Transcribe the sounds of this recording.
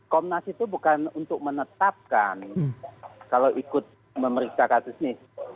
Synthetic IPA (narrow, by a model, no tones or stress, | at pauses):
kɔmnasit̪ubukanunt̪ʊk̚mənət̪ap̚kan | kaloʔikʊt̪̚ | məməɾiksakasʊsnɪh